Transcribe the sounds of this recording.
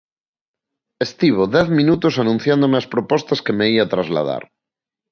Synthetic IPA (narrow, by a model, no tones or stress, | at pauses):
est̪iβ̞oðɛθmĩnut̪osanũn̟θjand̪omeaspɾopɔst̪askemeiat̪ɾazla̰ða̰ɾ